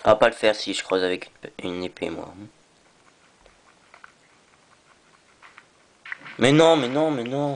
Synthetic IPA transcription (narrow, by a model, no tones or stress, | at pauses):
apaləfɛʁsiʒə̥kχøzavɛkynepʰḛmwa̰ | mɛnɔ̃mɛnɔ̃mɛnɔ̃